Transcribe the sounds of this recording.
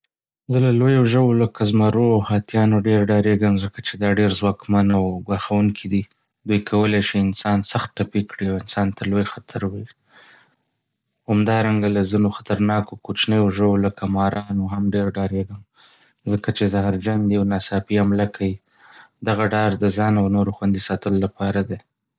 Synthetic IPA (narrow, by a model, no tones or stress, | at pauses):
zəlalojoʒəwoləkazmaɾoawhɑt̪jɑnoɖeɾɖɑɾeɡəmzəkat͡ʃed̪ɑɖeɾzwɑkmanawɡwaxawuŋkʰid̪i | d̪ujkʰawəlaʃiɪnsɑnsaxt̪̚ʈapikɽiawɪnsɑnt̪əɾlojxat̪ʰaɾweɾi | hamd̪ɑɾaŋɡalazinoxḁt̪aɾnɑkokot͡ʃnəjoʒəwoləkamɑɾɑnoɦamɖeɾɖɑɾeɡəm | zəkat͡ʃezaɦɾd͡ʒand̪iawnasɑpiamlakʰaji | d̪aɣaɖɑɾd̪əzɑnawnoɾoxwand̪isɑt̪əlolapɑɾad̪e